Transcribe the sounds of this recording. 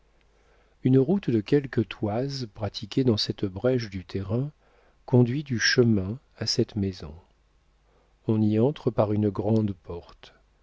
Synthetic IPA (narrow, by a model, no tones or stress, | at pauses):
ynʁut̪d̪əkʲɛlkət̪ʰwazpχat̪ʰikʲed̪ɑ̃sɛt̪bʁɛʃd̪yt̪ʰeʁɛ̃ | kɔ̃d̪ɥid̪yʃəmɛ̃ | asɛt̪mezɔ̰̃ | ɔ̃niɑ̃t̪χəpaʁynɡʁɑ̃d̪pɔʁt̪